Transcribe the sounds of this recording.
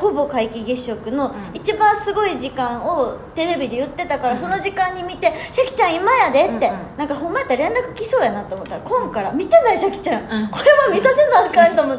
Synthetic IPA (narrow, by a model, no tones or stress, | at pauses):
ho̞bo̞kaikʲiɡeɕo̞kɯ̟no̞it͡ɕibãɰ̃sɨɡo̞iʑikãɰ̃o̞t̪e̞ɾe̞bʲid̪e̞jɯ̟t̪ːe̞t̪akaɾaso̞no̞ʑikãɲ̟ːimʲit̪e̞ɕakʲi̥t͡ɕãɰ̃imajad̪e̞t̪ːe̞nãŋkaɦõ̞mːaet̪ːaɾẽ̞nɾakɯ̟̥kʲiso̞ːjanat̪ːeomot̪ːaɾakõ̞ŋkaɾamʲit̪e̞naiɕakʲi̥t͡ɕãŋko̞ɾe̞βamʲisase̞nakãt̪omo